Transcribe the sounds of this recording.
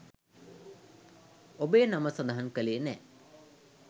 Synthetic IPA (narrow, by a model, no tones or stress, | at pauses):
obejːnaməsɐnd̪aɦankəleːnɛ